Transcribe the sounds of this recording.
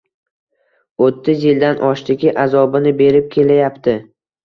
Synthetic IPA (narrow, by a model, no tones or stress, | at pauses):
ot̪ʰːɪzjɪld̪anʔɒʃd̪ɪɡʲɪʔazɒbɪnɪbe̞ɾɪp̚kʲʰe̞lajapt̪ʰɪ